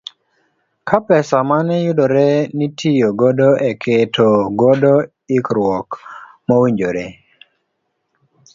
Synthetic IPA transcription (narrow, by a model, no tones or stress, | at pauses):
kʰapɛsamanɛjʊdoɾɛnitʰijoɡɔdoʔɛkʰetʰoɡɔdɔ | ɪkɾwɔk | mawiɲd͡ʒoɾe